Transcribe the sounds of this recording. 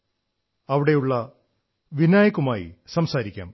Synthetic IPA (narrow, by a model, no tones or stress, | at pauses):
ɐʋiɽe̞juɭːɐ | ʋinaːjɐkːumaːjḭsɐmsaːɾikʲːa̰ːm